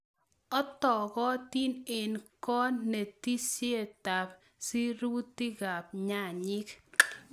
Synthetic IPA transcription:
ɔ˦tɔ˨ɡɔ˦t̪i˦ne˨nkɔ˦ne˨ti˦sje˦˨ta˨p | si˦ɾu˦tːi˦ɡa˨pɲa˦˨ɲɪ˦k

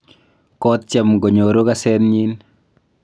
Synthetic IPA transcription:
kɔ˦t̚t͡ʃa˨mɡo˨ɲo˨ɾo˦kasɛ˦nɲi˦n

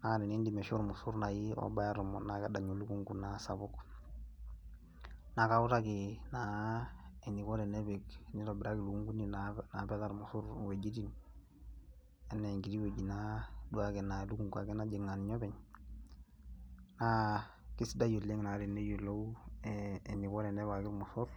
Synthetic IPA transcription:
na˨˦ɾi˨ni˦ndi˨mɛ˨ʃu˦ɾmu˨su˦ɾna˨ji˦ɔ̰˦ba˦ja˦ɾɔ˨mɔ̰˨na˨ka˦da˨ɲo˨lu˦ku˦ŋɡu˨nasa˨bu˦k | na˨ka˨u˦ta˦ki˨na˨ | e˨ni˨kɔ˦ɾɛ˨nɛ˦be˨kni˦lɔ˨bɪ˨ɾa˦ki˨lu˨ku˦ŋɡu˦ni˦nana˨bɛ˦ta˦ɾmu˨su˦ɾwe˨ɟi˦ti˦n | e˨nːe˨ŋɡi˨ɾi˦we˨ɟi˨na˦du˦a˦kɛ˨na˨lu˦ku˨ŋɡua˨kɛ˦na˦d͡ʒe˨ŋːa˨ni˨ɲɔ˦bɛ˨ɲ | na˦ki˦sda˦jo˨le˦ŋna˨ɾi˨ne˦jo˨lːo˦uː˦˨ | ɲi˨kɔ˦ɾɛ˨nɛ˦βa˨ki˦ɾmu˨su˦ɾ

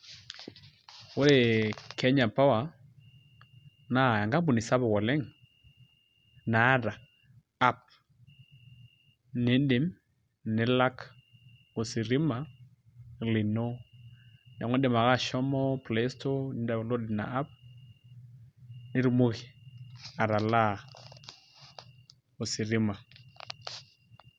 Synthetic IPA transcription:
o˦ɾe˨kɛ˦ɲa˨pa˦wa˨ | na˨a˨ŋɡa˦bu˨ni˨sa˦βɔ˨ɣɔ˨lɛ˦ŋ | na˨˦ɾa˨ | a˦p̚ | ne˨˦nde˨m | ne˨la˦k | o˨si˨ɾi˦ma˨ | li˨no˦ | na˨ŋɔ˦de˨ma˨ɣa˦˨ʃɔ˦mɔ˦plɛ˦stɔ˦nɪ˨da˨lɔ˦dɪ˨na̰˨a˦p̚ | nɪ˦ɾu˨˦mu˦ɣi˨a˨ɾa˨la˦ | o˨si˨ɾi˦ma˨

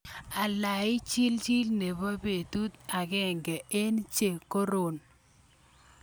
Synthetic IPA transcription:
a˨la˨ɪ˦t͡ʃi˦lt͡ʃi˦lne˨βa˦be˨tu˦t̪a˨kɛ˦˨ŋɡɛ˨e˦nt͡ʃe˨ko˦ɾo˨n

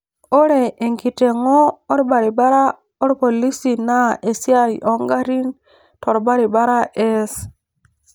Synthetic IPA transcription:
o˦ɾe˨e˨ŋki˨te˨ŋɔː˦ɾba˨ɾi˨ba˦ɾa˦ | ɔ˦ɾpɔ˨li˦si˨na˦ʔe˨si˦a˦ʔɔ˦ŋɡa˦ɾi˦ŋ | tɔ˨ɾba˦ɾi˨ba˦ɾa˦ʔɛ˦s

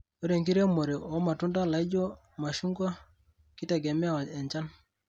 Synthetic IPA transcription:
o˦ɾe˨ŋɡi˦ɾɛ˦mo˨ɾe˨ɔ˦ma˨tu˦nda˦la˨i˦d͡ʒɔ˦ | ma˨ʃu˦ŋɡwa˦ | ki˦tɛ˨ɡɛ˨m˦a˦˨wa˨ɛ˨ɲt͡ʃa˦n

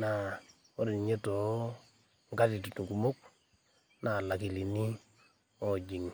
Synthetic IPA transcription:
na˨ | o˦ɾi˨n˨ɲe˦to˨ | ŋɡa˦ti˨tu˨tu˨ku˨mo˦k̚ | na˨la˨ki˨li˨ni˦ | ɔ˨d͡ʒi˨ŋ

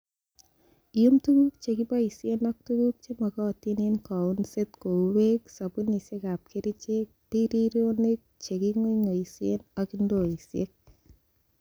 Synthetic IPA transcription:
i˨ju˦mtu˦ɡu˦kt͡ʃe˨kɪ˦bɔ˦i˨se˦nɔ˦k̚tu˦ɡu˦k̚t͡ʃe˦mɔ˨kɔ˦˨ti˦ne˦nkɔ˨u˦nse˦t̪ko˨we˦ksa˨bu˦ni˨se˦ɡa˨p̚kʰe˦ɾi˦t͡ʃe˦ | ti˦ɾi˦ɾo˦ne˦k̚t͡ʃe˨ɡi˦ŋo˦ŋo˨i˨si˦e˦nɔ˨ki˦ndo˦˨i˨sḛ˦k̚

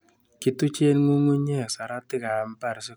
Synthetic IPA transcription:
ki˦tu˦t͡ʃe˦nmu˦mu˦ɲe˦˨sa˨ɾa˦tɪ˦ka˨m˦pa˦˨ɾsɛ˦

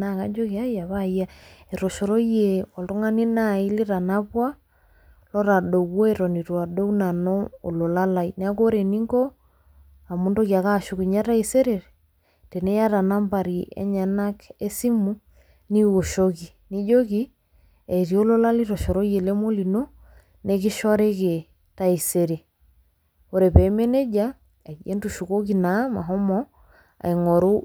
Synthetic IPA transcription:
na˨ka˦d͡ʒo˦ki˨a˦ja˨βa˦i˦ja˦e˨ɾɔ˨ʃɔ˨ɾɔ˦je˨ɔ˨lto˦ŋa˦ni˦na˦i˦li˦ɾa˨na˦βwa˦ | lɔ˦ɾa˨ɗo˨kːɔ˦ɛ˦ɾɔ˨ni˨ɾwa˨do˦wna˨nɔ˦o̰˨lo˨la˦la˦˨inɛ˨a˦ko˦ɾe˨ni˦ŋɡɔ˦ | a˨mu˦ndo˦kja˨ka˦˨ʃo˨ki˨ɲa˦ɾa˦i˨se˦ɾe˨ɾe˨ | te˨nɛ˦ja˦ɾa˨na˦mba˨ɾi˨ɛ̰˦ɲa˨na˦ke˦si˦mu˦ | ni˦wo˨ʃo˦ki˨ni˦d͡ʒo˦ki˦ | e˨i˨ɾi˨o˦lo˦la˦li˦ɾɔ˨ʃɔ˨ɾo˦je˨le˦mo˦li˨no˦ | ne˦ki˦ʃɔ˦ɾe˦ke˨ | ta˦i˨se˦ɾe˨ | o˨ɾe˨pɛ˨me˦ne˦d͡ʒa˦ | a˨e˦ndu˨ʃu˨ko˦ki˨na˨˦ma˨ɦɔ˦mɔ | a̰˨i˨ŋɔ˨ɾo˦

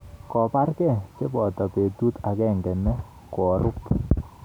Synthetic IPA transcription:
kɔ˨pa˦rkɛ˦˨t͡ʃe˦bɔ˨tɔ˨pe˨tu˦ta˨kɛ˦˨ŋɡɛ˨nɛ˦ | kɔ˨ɾʔʊ˦p

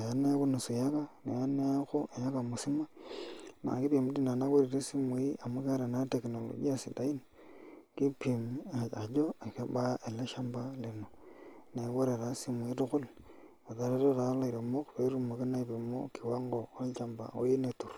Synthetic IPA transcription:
a˨ja˦ne˦ku˦ne˨si˨ja˦ka˦ne˨ja˦ne˦ja˦xo˦ʔe˨ja˦ka˨mu˨si˦ma˦na̰˨ŋki˦βi˨mu˦di˦na˨na˦koɾi˨ɾe˦si˦mwi˦a˨mu˦ka˦ɾe˨na˦teknolo̰ɟi˦a˦si˨da˦i˦n | ki˦pi˨m˨a˨ɟo˦e˨ka˦ba˦ʔe˨le˦ʃa˦mbali˨none˦βo˦ɾe˨ɾa˨si˦mwi˦ɾu˦xu˦l | a˨ða˨˦ɾe˦ɾoɾa˨˦la˦i˨ɾe˨mo˦kuβe˦ɾu˦mu˨ke˦na˦i˨βimo̰˦kiwa˦ŋɡo˨o˦t͡ʃa˨mba̰˨o̰˦je˦netu˨ɾu̥

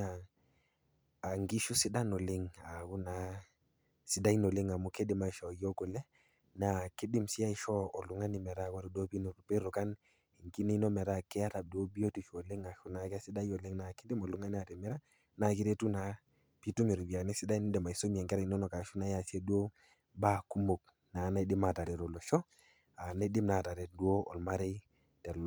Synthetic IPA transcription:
a˨ | a˨ŋɡi˦ʃu˦sɪ˦da˦nɔ˨lɪ˦ŋa˨ku˦na˨˦ | sɪ˨da˦i˦nɔ˨lɪ˦ŋa˨mʊ˦ke˦dɪ˨ma˨i˨ʃɔ˨jɔ˦ko˨lɛ˦ | na˨kɪ˦dɪ˦msi˦a˦ɪ˨˦ʃɔ˦ɔ˨lʊ˨ŋa˦nɪ˨mɛ˨ɾa˦˨kwɔ˦ɾi˨do˦pi˦nu˨ɾu˨pe˦ɾʊ˨ka˦n | i˨ŋki˦ne˦nɔ˦mɛ˨ɾa˦˨kɛ˦a˦ɾa˨du˦o˦bi˦o˦ti˨ʃɔ˨lɪ˦ŋa˨ʃu˨na˨˦ka˦sɪ˦da˦jɔ˨lɪ˦ŋna˨kɪ˦dɪ˦mɔ˨lu˨ŋa˦ni˦a˨tɛ˨mɛ˦ɾa˦ | na˨ki˦ɾe˦tu˦na˨ | pi˦tu˦mi˨ɾu˨ɡi˨a˨ne˦si˦da˦i˦ni˦dɛ˨ma˨i˨so˦mi˨ɛ˨ŋɡe˦ɾi˨n˦nɔ˨ka˨ʃu˦na˨˦ja˨si˦e˦du˦o˦ | ba˦˨ku˦mo˨k̚ | na˨˦na˦i˦di˦ma˨ta˨ɾɛ˨tɔ˨lɔ˨ʃɔ˦ | a˨na˦di˦mna˨ta˨ɾɛ˨t̚du˦o˦ɔ̰˨lma˦ɾe˦ | tɛ˨l

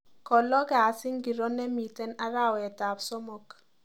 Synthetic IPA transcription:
kɔ˨lɔ˦ɡa˨sɪ˦ŋɡi˨ɾo˦nɛ˦mi˨tɛ˦na˦ɾa˦˨wɛ˨ta˨psɔ˦mo˦k

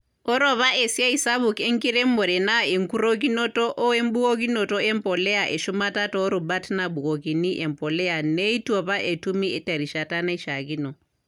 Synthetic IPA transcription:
ɔ˦ɾɔ˨βa˦ʔɛ˨si˦a˦i˨sa˦βu˨kɛ˦ŋki˦ɾɛ˦mːɔ˨ɾɛ˨na˦e˨ŋku˦ɾo˦k̬i˦nɔ˦tɔ˦ʔɔ˦ɛ˦mɓu˦ko˦k̬i˦nɔ˨tɔ˦ɛ˦mpɔ˨lɛ˦a˨ʔɛ˨ʃu˦ma˦ta˦tɔː˦ɾu˨ɓa˦tna˨ɓu˨kɔ˨ki˨ni˦ʔɛ˨mpɔ˨lɛ˦a˨nɛ˦i˦tɔ˨βa˦ʔɛ˨tu˦mi˦ɛ˨ta˨ɾi˨ʃa˨ta˦na˦i˦ʃa˨ki˦nɔ˨

